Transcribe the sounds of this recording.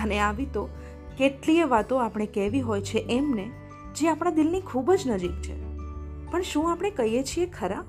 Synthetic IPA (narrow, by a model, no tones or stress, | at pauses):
əneaʋit̪o | keʈlieʋat̪oapɽ̃ekɛʋiɦojt͡ʃʰeʔɛmne | d͡ʒeapɳ̃ad̪ɪlnikʰubd͡ʒnəd͡ʒik̚t͡ʃʰḛpəɳʃũapəɽ̃ekəɦijet͡ʃʰiekʰəɾa